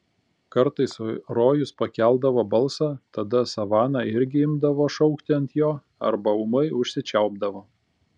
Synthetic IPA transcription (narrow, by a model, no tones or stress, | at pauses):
kɐɾt̪ɐɪsɾoːjʊspɐkʲælˠd̪ɐʋoːbɐlˠˑsɑːt̪ɐd̪ɐsɐʋɑːnɑɪɾʲɡʲɪɪmd̪ɐʋoːʃɒʊkt̪ʲɪɐnt̪joː | ɐ̰ɾbɐʊmɐɪʊʃʲsʲɪt͡ʃʲɛʊbd̪ɐʋoː